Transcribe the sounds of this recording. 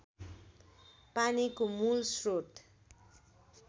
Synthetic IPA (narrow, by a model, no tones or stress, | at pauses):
panikomulsroʈ